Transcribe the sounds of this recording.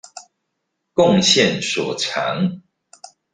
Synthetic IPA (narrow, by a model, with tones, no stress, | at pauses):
kʊ˥˨ŋɕjɛ˥˨nswɔ˨˩ʈ͡ʂʰa˨˧˦ŋ